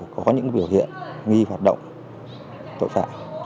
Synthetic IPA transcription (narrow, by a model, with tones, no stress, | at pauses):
kɔ˨˦ɲɨ̰˧˥ŋɓi˧˩əwhḭ˧˨ənŋi˧hwaː˨˩t̚ɗə̰˧˨wŋ͡m | t̪ʰo̰˧˨jfa̰ː˧˨